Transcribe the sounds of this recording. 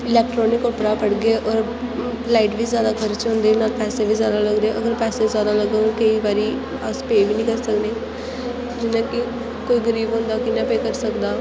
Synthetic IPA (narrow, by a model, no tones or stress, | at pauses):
ɪlɛːk̚ʈɾoːnɪkopɾaːpəɽɡeːʔɔːɾ | laːɪʈʋiːzjaːd̪aːkʰəɾt͡ʃɦõnd̪eːnaːlpɛːseːʋiːzjaːd̪aːləɡd̪eːʔəɡəɾpɛːseːzjaːd̪aːləɡekəiːbaːɾiː | aspeːʋiːnĩːkəɾsəkd̪eː | d͡ʒɪnãːkɪ | koːiːɡəɾiːbɦʊ̃ːnd̪aːkɪnãːpeːkəɾsəkd̪aː